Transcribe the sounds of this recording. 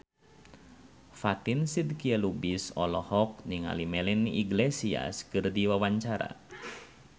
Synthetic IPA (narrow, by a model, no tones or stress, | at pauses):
fat̪insid̪̚kiəlubisɔlɔhɔk̚ɲiŋa̰limɛlinḭɡlesia̰skɨrdiwawaɲt͡ʃaɾa̰